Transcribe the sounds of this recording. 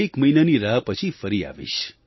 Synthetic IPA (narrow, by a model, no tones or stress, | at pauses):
ekməinaniɾaɦpət͡ʃʰifəɾia̰ʋḭʃ